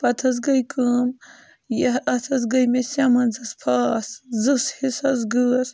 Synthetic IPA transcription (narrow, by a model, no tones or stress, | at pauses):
pɐt̪ʰɐs̬ɡɐjkɨm | jɐɐt̪ʰɐs̬ɡɐjmesɐmɐnzɨspʰaːszɨshisɐsɡɨːs